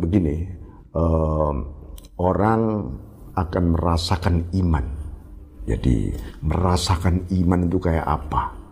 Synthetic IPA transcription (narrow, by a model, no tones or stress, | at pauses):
bəɡini | ə | oɾaŋ | akanməɾasakaniman | d͡ʒa̰dḭməɾasakanimant̪ukaja̰ʔapa